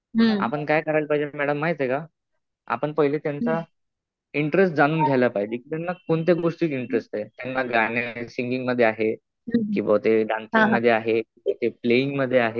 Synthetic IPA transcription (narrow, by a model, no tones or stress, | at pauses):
ɦa̰pəɳkajkəɾajlpaɦid͡ʑemɛɽəmːaɦjt̪eka | a̰pəɳpəɦilet̪jant͡sa | iɳʈɾesʈ̚d͡zañuːnɡʱajlapaɦid͡ʑiːkiːt̪janːakoɳt̪̬eɡoʂʈiːt̪iɳʈɾest̪at̪janːaɡanesiŋɡiŋɡməd̪ʱːeaɦe | kĩw̃ʋat̪eɖant̪amməd̪ʱːjeaɦekĩʋat̪epleiŋɡməd̪ʱːjeaɦe